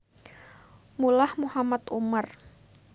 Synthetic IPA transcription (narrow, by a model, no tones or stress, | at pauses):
mulahmuhamat̪umar